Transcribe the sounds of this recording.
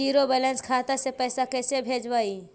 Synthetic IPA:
iːɾobɛːlə̃nskʰaːt̪asepɛːsakɛːsebʱeːd͡ʒbaːi

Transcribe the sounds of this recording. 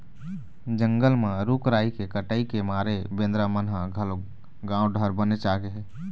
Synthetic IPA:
d͡ʒə̃ŋɡəlmãɾuːkɾaːikekəʈaːikemaːɾebẽːnd̪ɾamənɦaɡʱəl | ɡãːõɖʱəɾbənet͡ʃaːɡeɦɛː

